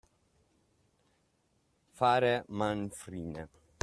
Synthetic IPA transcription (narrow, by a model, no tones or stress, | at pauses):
faːɾɛmanfɾiːnɛ